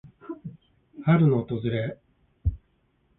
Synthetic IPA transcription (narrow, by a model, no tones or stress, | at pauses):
haɾɯ̟no̞ːt̪o̞zɨɾe